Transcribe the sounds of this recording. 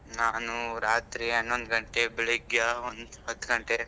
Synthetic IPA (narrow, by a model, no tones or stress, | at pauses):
naːnuɾaːt̪ɾiɐnːond̪ɡɐɳʈebɛɭiɡjaond̪ɦɐt̪ːɡɐɳʈe